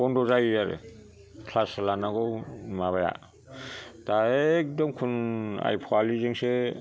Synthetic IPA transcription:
ɔndɔzajjaɾḛ | kʰlaslanaɡɔwmaβaja̰ | taek̚dɔmkʰuna̰jpʰɔalizeŋse

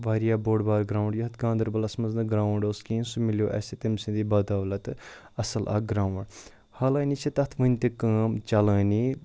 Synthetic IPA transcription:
ʋaːɾijaːboːɽbaːɾɡɾaːwɳɖjɐɦɐt̪ɡãːnd̪ɐɾbɐlɐsmɐznɨɡɾaːwɳɖoːskĩːnsumiljoːʔɛ̰set̪emsẽd̪ibaːd̪aːʋlɐt̪ | ɐsɐlʔa̰ːɡɾaːʋɳɖ | haːlaːnit͡ʃʰɐt̪ɐt̪ʰʋɐnʲt̪ekɐːmt͡ʃɐlãːni

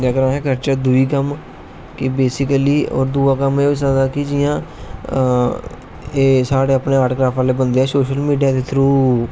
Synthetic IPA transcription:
d͡ʒəkəɾãːɦɛkəɾt͡ʃəɾd̪ʊiːkəm | kɪbeːsɪkəliːɔ̰ːɾd̪uːaːkəmeːɪsəd̪aːkɪd͡ʒɪːãː | eːsaːɽeːəpneːaːʈʰkɾaːpʰaːleːbənd̪eːɛːsoːʃəlmiːɖijaːd̪eːt̪ʰɾuː

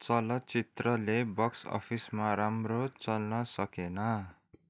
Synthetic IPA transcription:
t͡sʌlʌt͡sit̪rʌlebʌksʌ̰pʰismaɾamrot͡sʌlnʌsʌkenʌ

